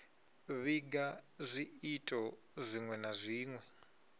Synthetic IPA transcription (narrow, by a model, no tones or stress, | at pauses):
βiɡazʷiitʼɔ | zʷiŋwɛnazʷiːŋwɛ